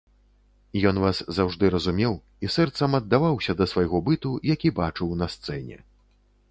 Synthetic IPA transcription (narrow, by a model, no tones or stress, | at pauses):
jɔnvaszawʐd̪ɨɾɐzumʲɛw | isɛrt̪sɐmɐd̪ːavawsʲɐd̪ɐsvajɣɔbɨt̪ujakʲibat͡ʂɨwnɐst̪sɛnʲɛ̰